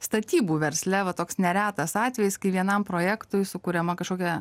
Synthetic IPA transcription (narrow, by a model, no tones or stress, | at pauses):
st̪ɐt̪ʲiːbuːʋʲɛɾʲsʲlʲɛʋɐt̪oːksnʲɛɾʲæːt̪ɐsɑːt̪ʲʋʲɛjɪskɐɪʋʲiɛnɐmpɾoːjɛkt̪ʊjsʊkuːɾʲɛmɐkɐʃkoːkʲɛ